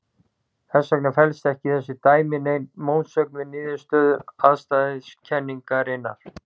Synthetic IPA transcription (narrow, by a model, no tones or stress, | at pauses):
θɛsːœknafɛlst̪ɛhcɪθɛsːɪt̪aːjmɪnejnmoːwnsœk̚nʏniːðʏst̪œːðʏɾaðst̪aðɪscʰɛnːiŋkaɾɪnːa̰ɾ